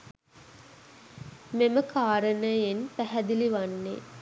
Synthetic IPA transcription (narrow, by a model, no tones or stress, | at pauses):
meməkʰaːɾənəjenpæɦæd̪iliʋanːḛ